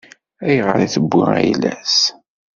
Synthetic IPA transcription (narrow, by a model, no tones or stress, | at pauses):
æjʁə̰ɾiθəbːiæjlæs